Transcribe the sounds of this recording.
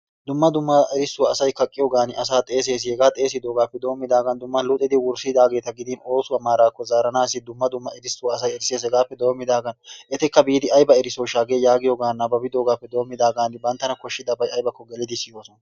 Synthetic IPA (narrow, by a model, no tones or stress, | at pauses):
d̪ʊmːɐd̪ʊmːɐɛɾɪsːʊwɐɐsɐjkɐkʼːɪjɔɡaːnɪʔɐsaːt̪ʼe̞ːs̬e̞ːs̬ɪhɛɡaːt̪ʼe̞ːsɪd̪o̞ːɡaːpːɛd̪o̞ːmːɪd̪aːɡɐnd̪ʊmːɐlʊt̪ʼːɪd̪ɪwʊɾsɪd̪aːɡe̞ːt̪ɐɡɪd̪ɪno̞ːsʊwɐmaːɾaːkːɔzaːɾɐnaːsɪd̪ʊmːɐd̪ʊmːɐɛd̪ɪsːʊwɐːs̬ɐjɛɾɪseːs̬ɛɡaːpːɛd̪o̞ːmːɪd̪aːɡɐnʔɛt̪ɛkːɐbiːd̪ɪɐjbɐɛɾɪsoːʃaːɡeːjaːɡɪjoɡaːnːɐbɐbɪd̪o̞ːɡaːpːɛd̪o̞ːmːɪd̪aːɡaːnːɪbɐnt̪ːɐnɐkɔʃːɪd̪ɐbɐjɐjbɐkːɔɡɛlɪd̪ɪsɪjoːsɔnɐ